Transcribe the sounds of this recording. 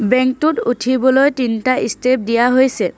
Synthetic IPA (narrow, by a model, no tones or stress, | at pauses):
bɛŋk̚tututʰibɔlojtintaistep̚dijaɦojsɛ